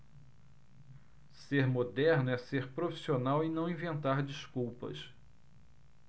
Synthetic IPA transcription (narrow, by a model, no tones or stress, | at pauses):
seɾmod̪ɛɾnʊɛseɾpɾofi̥sionawinɐ̃w̃ĩvẽnt̪aɾd͡ʒiskuwpɐ̰s